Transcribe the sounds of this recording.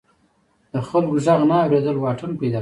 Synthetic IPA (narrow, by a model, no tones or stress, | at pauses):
d̪̥əxalɡʊʒaɣnaːwɾed̪əlwɑʈʰənpajd̪a